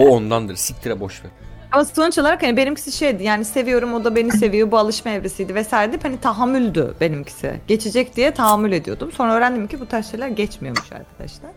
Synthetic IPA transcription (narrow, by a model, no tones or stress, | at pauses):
oond̪and̪ɯɾsic̚ʲt̪ʰiɾɛbo̞ʃvet̪ | amasonut͡ʃʰolˠaɾakhanibenimcʰi̥siʃejd̪ijaːnise̞vijo̞ɾumo̞d̪abe̞nise̞vijobualˠɯʃmaevɾesijd̪ivɛsaːjɾed̪iphanit̪ʰaɦamːylʲd̪y̰be̞nimcʰi̥sḭɟ̥e̞t͡ʃʰed͡ʒɛc̚d̪ijɛt̪ʰaɦamːylʲe̞d̪ijo̞d̪umso̞nɾaøːɾænd̪imicʰibut̪ʰaɾʃajlʲæɾɟɛt͡ʃmijo̞ɾmuʃa̰ɾkʰad̪̥a̰ʃlˠæɾ̥